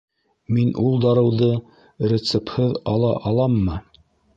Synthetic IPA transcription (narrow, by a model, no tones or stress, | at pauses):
minʔulˠd̪ɑɾɤ̆wðɤ | ɾʲet̪sɘphɤðɑlˠɑʔɑlˠɑmːɤ